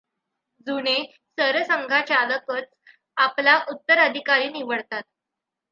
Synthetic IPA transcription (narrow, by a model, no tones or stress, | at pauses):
d͡zuɽ̃e | səɾsəŋɡʱat͡ɕaləkət͡s | aplaʔut̪ːəɾəd̪ʱikaɾiːniʋəɭt̪at̪̚